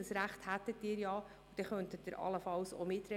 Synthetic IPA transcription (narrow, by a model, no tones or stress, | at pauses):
əsɾæχthæt̪ːətːɪːɾjɑ | ud̥ɛχœntət̚dɪɾʔɑ̰ləfɑlso̰mɪtɾɛ